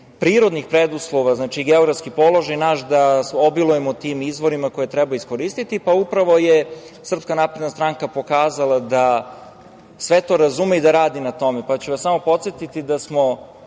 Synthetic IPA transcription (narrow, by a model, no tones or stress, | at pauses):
pɾiːɾo̞d̪nixpɾed̪uslˠoʋaznaːt͡ʃiɡeo̞ɡɾaftskipo̞lˠo̞ʒajnaːʃd̪asobilˠujemot̪imizʋo̞ɾimako̞jet̪ɾebaisko̞ɾist̪it̪ipaupɾaʋo̞je | sr̩pskanaːpɾed̪nast̪ɾaŋkapo̞kaːzalˠad̪a | sʋe̞t̪o̞ɾazumeid̪aɾaːd̪inat̪o̞mepat͡ɕuʋasamo̞po̞t̪sjet̪it̪id̪asmo̞